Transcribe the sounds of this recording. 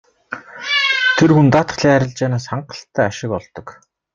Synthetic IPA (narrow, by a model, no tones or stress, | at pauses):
t̪ʰerxunt̪aːt̪ə̥̆χɮiːŋæɾʲɪ̆ɮt͡ɕaːnaːsχaɴɢə̆ɬt̪ːæːaʃɪ̆kɔɮt̪ɞ̆k